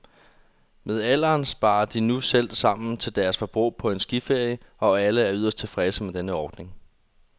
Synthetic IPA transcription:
með̞ˠæl̰ɐːnsb̥ɑ̈ːɐd̥inusel̰̥sɑ̈m̰n̩t͡sʰe̝ld̥æɐsfɒ̽b̥ʁṵːpʰɒ̽e̝nsɡ̥ife̝ɐ̰jəɒ̽æləæɐyð̞ˠɐsd̥̚t͡sʰe̝lfʁɛsəmed̥enəɒːd̥ne̝ŋ

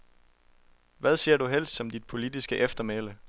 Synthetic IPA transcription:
ʋæð̞ˠse̝ɐ̰d̥uɦel̰sd̥sɒ̽md̥id̥̚pʰo̝lid̥isɡ̥əʔefd̥ɐmelə

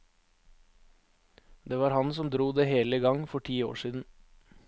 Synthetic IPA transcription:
d̪eːʋɑːɾhɑnsɔmd̪ɾuːd̪eːheːləɡɑŋfɔʈʰiːo̰ːʃiːd̪n̩

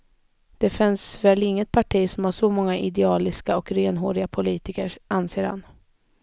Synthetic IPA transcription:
d̪̥ɛfɪnsvɛːlɪŋːət̪̚pʰaʈʰiːsɔmhaʂɔmɔŋːaʔɪd̪ɛɑːlɪskaɔkɾeːnɦoːɾɪɡapʰʊliːt̪ɪkəɾanseːɾha̰n

